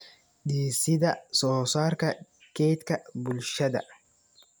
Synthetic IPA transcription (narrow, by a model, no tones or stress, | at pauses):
ᶑiːsɪd̪ɐsoːsaːɾkɐ | keːt̪kɐbʊlʃɐd̪ɐ